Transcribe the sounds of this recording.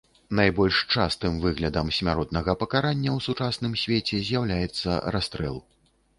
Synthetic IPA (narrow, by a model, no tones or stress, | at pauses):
najbɔlʲʂt͡ʂast̪ɨmvɨɣlʲɐd̪ɐmsʲmʲaɾɔt̪̚nɐɣɐpɐkaɾanʲːɐwsut͡ʂasnɨmsʲvʲet͡sʲɛzʲjawlʲajɛt̪sːɐ̰ɾast̪ɾɛ̰lˠ